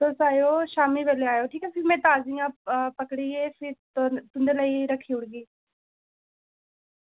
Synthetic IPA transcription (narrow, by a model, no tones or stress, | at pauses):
d̪oːsaːjoʃaːmiʋeːleaːjoʈʰiːkasɪmẽt̪aːzijãpɐkɽiɦeːfɪt̪t̪ʊ̃nd̪elaːiɾɐkʰiʊɽɡiː